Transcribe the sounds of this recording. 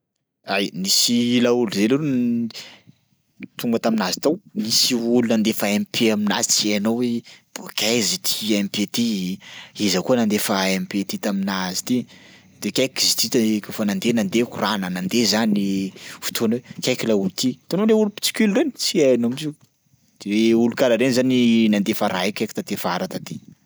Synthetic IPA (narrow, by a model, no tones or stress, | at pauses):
ajnisilauluzeluɾun | t̪uŋɡət̪aminazi̥t̪awmisiulunand̪efaempʰeamina̰zit͡sianowweb̥okʲajzit̪ʰi̥empet̪i | izakuənand̪efaempet̪et̪aminazi̥t̪i | d̪̥ekʲakizit̪it̪kafanand̪enand̪ekuranənand̪ezanifu̥t̪ʰuanwekʲajkilaulut̪it̪onoleulupi̥t͡si̥kʲilɾenit͡siaanomizi | d̪̥eweulukalaɾenzaninand̪efaɾʔaekʲajki̥t̪at̪efaɾat̪at̪i